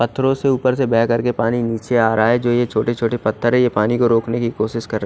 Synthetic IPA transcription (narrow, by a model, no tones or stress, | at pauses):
pɐt̪ʰːɾõseuːpəɾsebɛɦkɐɾkepaːniniːt͡ʃeaːɾɐɦaɦɛd͡ʒoːjet͡ʃʰoːʈet͡ʃʰoːʈepɐt̪ʰːəɾɦɛ̃jepaːnikoɾoːknekikoːʃɪʃkɐɾːɐ